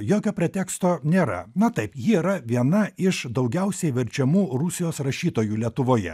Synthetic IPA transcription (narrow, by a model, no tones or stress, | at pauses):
joːkʲoːpʲɾʲɛt̪ʲɛːkst̪oːnʲeːɾɐ̰nɐt̪ɐɪpjiiːɾɐʋʲiɛnɐɪʃd̪ɐʊɡʲɛʊsʲɛɪʋʲɛɾʲt͡ʃʲɛmuːɾʊsʲɪjoːsɾɐʃʲiːt̪oːjuːlʲiɛt̪ʊʋoːjɛ̰